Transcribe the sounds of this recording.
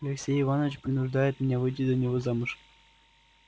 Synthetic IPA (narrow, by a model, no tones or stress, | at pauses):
lʲeksʲejivɑnoʋʲt͡ɕprʲinuʐd̪ɑjət̪mʲɘ̆nʲevɯdʲid̪ɤnʲeʋɤzɑmɤ̆ʂ